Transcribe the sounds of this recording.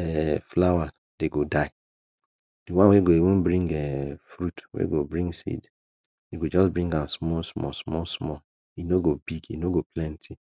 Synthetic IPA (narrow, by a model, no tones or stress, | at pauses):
ɛflawa | d̥eɡodaɪ | d̥iwãnweɡoiwũnbɾĩŋɡɛfɾutwḛɡobɹĩŋɡsḭd | iɡod͡ʒɔsbɹĩŋɡãnsmɔlsmɔ̰smɔlsmɔl | inoɡobiɡḭnoɡoplɛ̃ntʰi